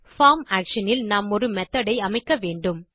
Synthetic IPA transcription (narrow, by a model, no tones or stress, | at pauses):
faːmaːkʂɐnɪlnaːmɔɾɯmɛt̪ːɐɽɐɪɐmɐɪkːɐʋeːɳɖɯm